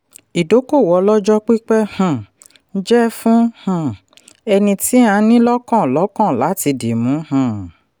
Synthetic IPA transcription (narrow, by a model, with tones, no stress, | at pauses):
i˨do˨˦ko˦˨wɔ˨˧˦lɔ˦d͡ʒɔ˦k͡pi˦k͡pɛ˦hã˦˨˦ | d͡ʒɛ˦fũ˦hũ˦˧˨ | ɛ˧nĩ˧ti˦ã˧˦nĩ˦lɔ˦kɔ̃˦˨lɔ˨˦kɔ̃˦˨la˨˦ti˧de˨mũ˨˦hã˦˨